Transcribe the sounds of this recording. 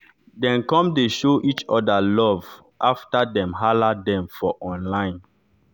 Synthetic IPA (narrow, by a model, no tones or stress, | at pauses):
dɛ̃nkɔ̃mdeʃoʔit͡ʃɔdalɔv | ʔaftadɛ̃mɦaladɛ̃mfɔʔɔ̃nlãɪ̃n